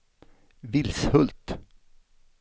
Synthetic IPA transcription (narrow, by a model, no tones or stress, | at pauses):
vɪlshɵlt̪